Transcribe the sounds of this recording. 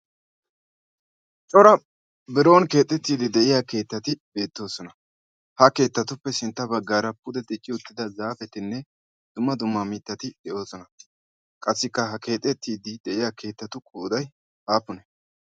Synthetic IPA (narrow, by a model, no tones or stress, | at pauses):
t͡ʃʼɔɾɐ | bɪɾo̞ːnke̞ːt̪ʼːɛt̪ːiːd̪ɪd̪ɛʔɪjake̞ːt̪ːɐt̪ɪbe̞ːt̪ːo̞ːsɔnɐ | hɐke̞ːt̪ːɐt̪ʊpːɛsɪnt̪ːɐbɐɡːaːɾɐpːʊd̪ɛd̪ɪt͡ʃʼːɪʊt̪ːɪd̪ɐzaːfɛt̪ɪnːɛ | d̪̥ʊmːɐd̪ʊmːɐmit̪ːɐt̪ɪd̪ɛʔo̞ːsɔnɐ | kʼɐsːɪkːɐɦɐke̞ːt̪ʼːɛt̪ʰːiːd̪ɪd̪ɛʔɪjake̞ːt̪ːɐt̪ʊkʼuːd̪ɐj | haːpːʊnɛ